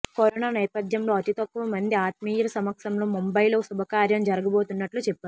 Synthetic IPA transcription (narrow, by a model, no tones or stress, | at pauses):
koɾɔnaːnɛːpɐd̪ʱjɐmlo̞ːɐt̪it̪ɐkːuʋɐmɐnd̪iaːt̪̚miːjɐlɐsɐmɐkʂɐmlo̞ːmumbɐjloːsubʱɐkaːɾjɐmd͡ʒɐɾɐɡɐboːt̪unːɐʈlut͡ʃɛpːaːɾu